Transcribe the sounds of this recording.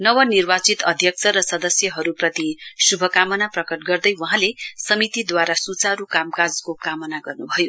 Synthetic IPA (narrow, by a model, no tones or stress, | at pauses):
nʌwʌnirbat͡sit̪ʌd̪ʱjʌk̚t͡sʰʌɾʌsʌd̪ʌsjʌɦʌɾuprʌt̪isubʱʌkamʌnaprʌkʌʈ̚ɡʌrd̪ʌjwʌɦãlesʌmit̪id̪waɾasut͡saɾukamkad͡zkokamʌnaɡʌrnubʱʌjo